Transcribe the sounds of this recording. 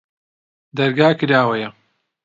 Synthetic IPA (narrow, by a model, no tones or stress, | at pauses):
d̪ɐɾɡaːkɨɾaːwɐjɐ